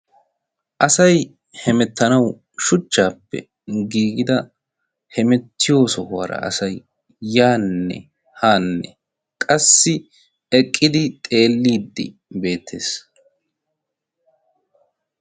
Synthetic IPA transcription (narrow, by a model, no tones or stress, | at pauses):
ʔɐsɐj | hɛmɛt̪ːɐnɐw | ʃʊt͡ʃːaːpːɛ̰ | ɡiːɡɪd̪ɐ | hɛmɛt̪ːɪjo̞ːsɔha̰ːɾɐ̰ɐ̰sɐjː | aːnːɛ̰ | haːnːɛ | kʼɐsːɪ | ɛkʼːɪd̪ɪt̪ʼe̞ːlːiːd̪ːɪ̰ | be̞ːt̪ʰːe̞ːs